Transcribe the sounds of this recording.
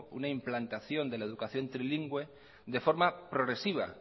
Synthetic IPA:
ṵnaimplant̪aθjo̞nd̪e̞lae̞ðukaθjo̞nt̪ɾiliŋɡwe̞ | ðe̞fo̞ɾmapɾo̞ɣɾe̞siβ̞a̰

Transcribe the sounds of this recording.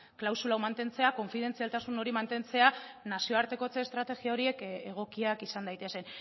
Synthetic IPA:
klawsulawmant̪e̞nt͡se̞ako̞ɱfiðe̞nt͡sialt̪asuno̞ɾimant̪e̞nt͡se̞anasio̞aɾt̪e̞ko̞t͡seːst̪ɾat̪e̞ɣiao̞ɾie̞keɣ̞o̞kiakisand̪ajt̪e̞se̞n

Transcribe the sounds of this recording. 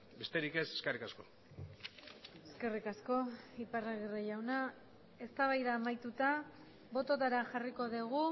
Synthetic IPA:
be̞st̪e̞ɾike̞se̥skerikasko̞̰ | e̞ske̞rikasko̞iparaɣiriʎawna | e̞st̪aβajɾaːmajt̪ut̪a | bo̞t̪o̞t̪aɾaʝariko̞ðiɣ̞u

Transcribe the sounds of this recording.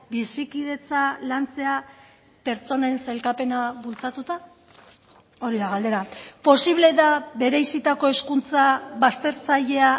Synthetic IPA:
bisikið̞e̞t͡salant͡se̞a | pe̞ɾt͡so̞nenselkape̞naβult͡sat̪ut̪a | o̞ɾiðaɣald̪e̞ɾapo̞siβle̞ðaβe̞ɾe̞jsit̪ako̞e̞skunt͡saβast̪e̞ɾt͡saʎe̞a

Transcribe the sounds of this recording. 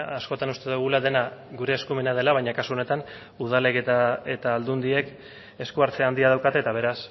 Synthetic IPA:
asko̞t̪anust̪e̞ðuɣ̞ulaðe̞naɡuɾe̞ːskume̞nað̞e̞laβajɲakasuo̞ne̞t̪an | uð̞ale̞ket̪aet̪aːld̪und̪ie̞k | e̞skuaɾt͡seand̪iað̞awkat̪et̪aβ̞e̞ɾas

